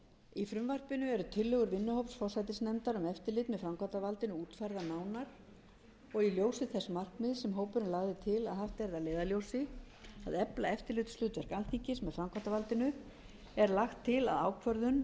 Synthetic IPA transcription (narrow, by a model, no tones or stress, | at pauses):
ifɾʏmvar̥pɪnʏɛɾʏt̪ʰɪlːʏɣʏɾvɪnːʏhowpsfɔwsajt̪ɪsnɛmt̪aɾʏmɛft̪ɪlɪt̪mɛðfɾamkʰat̪avalt̪ɪnʏuːt̪fajɾðanaːwnaɾ̥ | ɔɣiljoːwsɪθɛsmar̥knɪðsɛmɦoːwpʏɾɪnlaːɣðɪt̪ʰɪlaðhaft̪ɛɾðaleːðaljowsɪ | a̰ðɛplaɛft̪ɪɾlɪt̪slʏːt̪vɛɾ̥kalt̪ʰiɲcɪsmɛðfɾamkʰvat̪avalt̪ɪnʏ | ɛɾlaxt̪ʰːɪla̰ðaːwkʰvœɾðʏn